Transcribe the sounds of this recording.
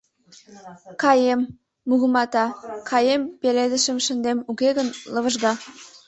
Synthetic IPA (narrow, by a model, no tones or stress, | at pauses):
kɑjemː | uɣəmɑt̪ɑkʰɑjempeled̪əʃə̆mʃə̆nd̪emukeɣənlə̆βəʒɣɑ